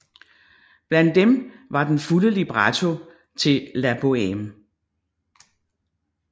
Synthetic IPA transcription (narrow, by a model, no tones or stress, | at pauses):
b̥læn̰d̥ːemʋɑ̈d̥enfuləlib̥ʁɑt͡sʰo | t͡sʰe̝læb̥oem